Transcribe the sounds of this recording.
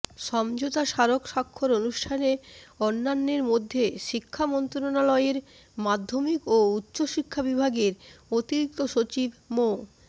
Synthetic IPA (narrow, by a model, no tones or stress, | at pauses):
ʃɔmd͡ʑot̪aʃaɾokʃakʰːoɾonuʃʈʰaneɔnːanːeɾmod̪ʱːeʃikʰːamɔnt̪ɾonalɔeɾ | mad̪ʱːomikoutːɕoʃikʰːabibʱaɡeɾot̪iɾik̚t̪oʃot͡ɕibmo